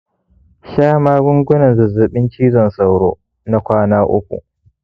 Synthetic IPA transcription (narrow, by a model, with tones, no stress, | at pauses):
ʃaː˦maː˦bʊ˦ŋɡʷʊ˦nɐ˨nzɐ˨zʊ˨ɓɪ˦nt͡ʃiː˦zɐ˨nsa˨wɽo̰ː˦ | na˦kʷaː˦naː˦ʔʊ̰˦kʷṵ˨ʔ